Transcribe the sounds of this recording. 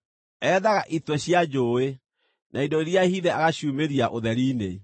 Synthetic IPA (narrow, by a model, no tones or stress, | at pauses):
ɛːðaɣaʔitwɛɕiad͡ʒoːe | nʔaindoeɾiahiðɛaɣaɕuːmeɾiaʔoðɛɾiːnḛ